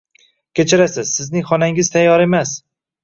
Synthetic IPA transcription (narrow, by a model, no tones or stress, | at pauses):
kʲʰet͡ʃʰɪɾasɪz̥sɪznɪŋχɒnaŋɪzt̪ʰajːɒɾe̞mas